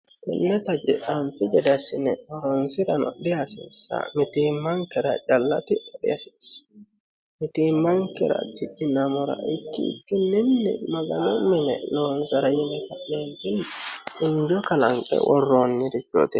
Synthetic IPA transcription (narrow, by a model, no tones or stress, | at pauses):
t̪ɛ̰nːɛt̪ɐd͡ʒɪʔɐnfɪd͡ʒɛd̪ɐsɪnɛwɔɾɔnsɪɾɐnɔ̰d̪ɪjɐsɪ̰nsɐ̰mɪt̪iːmːɐŋkɛɾɐ̰t͡ʃʼɐlːɐt̪ɪtɛdɐsɪs | mɪt̪iːmːɐŋkɛɾɐ̰t̪ɪdːɪnɐmɔɾɐ̰ʔɪkːɪɪ̰kːɪnːɪnːɪ̰mɐɡɐnɔmɪnɛ̰noːnsɐɾɐjɛnɛkɐeːnt̪ɪnːɪɲd͡ʒɔkɐlɐŋkʼɛ̰wɔrːonːɪɾɪt͡ʃːɔ̰t̪ɛ